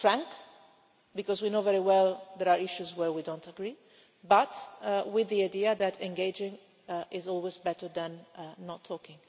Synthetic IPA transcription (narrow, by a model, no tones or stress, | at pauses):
fɹæ̃ŋk | bɨkɔzwinoʊvɛɹiwɛlˠðəɾaɹɪʃuzwə˞widõʊ̃ntəɡɹi | bʌtwɪðiaɪdiɨðɨtʰɛ̃nɡeɪd͡ʒɪ̃ŋ | ʔɪzɔlˠwizbɛɾə˞ðə̃nːətʰːɔkɪ̃ŋ